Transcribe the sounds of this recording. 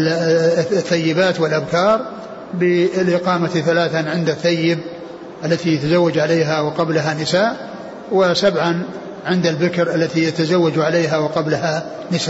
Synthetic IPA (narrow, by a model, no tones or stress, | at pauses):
θːajːɪbaːt̪wɪlʔabkɑːɾˤ | bɪlʔɪqɑːmat̪θalaːθanʕɪnd̪aθːajːɪb | ʔalːat̪ijat̪azawːad͡ʒʕaleːɦawɪqɑblaɦanɪsaːʔ | wɪsabʕan | ʕɪnd̪albɪkɾʔalːat̪ijat̪azawːad͡ʒʕaleːɦawɪqɑblaɦa | nɪsaː